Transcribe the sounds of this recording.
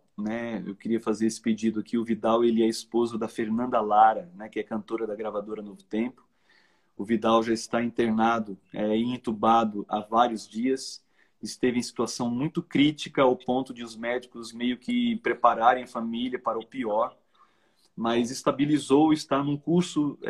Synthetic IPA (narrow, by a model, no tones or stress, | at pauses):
nɛḛwkɪɾiɐfazeɾesɪ̥ped͡ʒid̪ʊakiʊvid̪awelɪɛɐɪspozɐd̪ɐfeɾnɐ̃nd̪ɐlaɾɐnɛkɪɛkɐ̃nt̪oɾɐd̪ɐɡɾavad̪oɾɐnovʊt̪ẽpʊ̥ | ʊvid̪awʒaɪst̪aĩt̪eɾnad̪ʊɛĩĩt̪ubad̪ʊʔavaɾiʊzd͡ʒiɐs | ɪst̪evɪẽj̃si̥t̪uasɐ̃w̃mũj̃t̪ʊkɾit͡ʃikɐawpõnt̪ʊd͡ʒɪʊzmɛd͡ʒikʊzmejʊkɪpɾepaɾaɾẽj̃ɐfamiliɐpaɾɐʊpiɔɾ | mɐzɪst̪abilizowɪst̪aɾnũkuɾsʊ